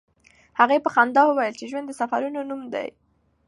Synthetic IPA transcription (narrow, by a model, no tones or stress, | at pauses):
haɣepəxɑnd̪ɑwəwajəlt͡ʃeʒwand̪ːəsafaɾunonumd̪a̰j